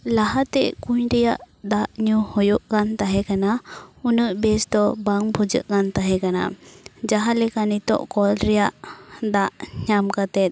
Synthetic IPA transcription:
laɦat̪ɛʔkuɲɾɛjaʔ | d̪aʔɲuhɔjuʔkant̪aɦɛkanaunəʔbɛsd̪ɔbaŋbʱud͡ʒə̰ʔkant̪aɦɛkana̰d͡ʒaɦalɛkanit̪ɔ̰ʔkɔlɾɛjaʔd̪aʔɲamkat̪ɛt̪̚

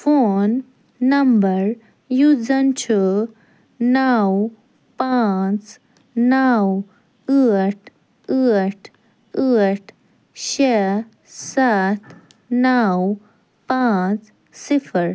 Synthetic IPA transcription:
fonː | əmbəɾ | jud͡zənt͡ɕʰɔ | naw | pat͡s | naw | əʈʰ | əʈʰ | əʈʰ | ɕe | sat̪ | naw | pãt͡s | sifʰəɾ

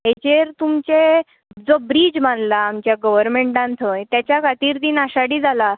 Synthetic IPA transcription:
ɦet͡ɕeɾt̪umt͡ɕe | d͡zobɾid͡ʑmanlaːmt͡ɕjaɡəʋəɾmẽɳʈãnt̪ʰəjt̪jat͡ɕjakʰat̪iːɾd̪iːnaɕaɽiːd͡zʱala

